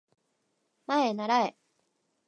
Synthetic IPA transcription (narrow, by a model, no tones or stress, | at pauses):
maenaɾae